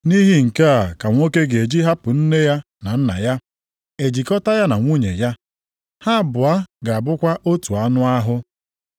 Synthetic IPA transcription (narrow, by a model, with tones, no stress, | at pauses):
ni˦ɦi˦ŋ̩˨ka˦a˨ka˨ŋʷ˦o˦ke˦ɡe˨d͡ʒi˦ɦa˦pʊ˨n̩˦ne˦ja˦ | na˨n̩˦na̰˨ja˦ | e˨d͡ʒi˨kɔ˦ta˦ja˦na˨ŋʷu˦ɲḛ˨ja˦ | ha˦bʊ˨a˦ɡa˨a˨bʊ˦kʷa˦ʔo˦tu˨a˦nʊ˦a˦ɦʊ˦